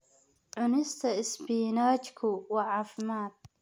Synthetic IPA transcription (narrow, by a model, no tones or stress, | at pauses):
ʕʊnɪst̪ʰɐɪsbiːnaːt͡ʃkʰʊwɐʕaːfɪmaːt̪̚